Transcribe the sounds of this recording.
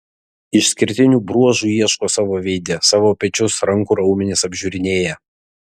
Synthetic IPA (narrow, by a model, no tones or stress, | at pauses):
ɪʃsʲkʲɪɾʲt̪ʲɪnʲuːbɾuɔʒuːiɛʃkoːsɑːʋoːʋʲɛɪd̪ʲɛsɑːʋoːpʲɛt͡ʃʲʊsɾɐŋˑkuːɾɐʊmʲɪnʲeːsɐbʲʒʲʊːɾʲɪnʲeːjɛ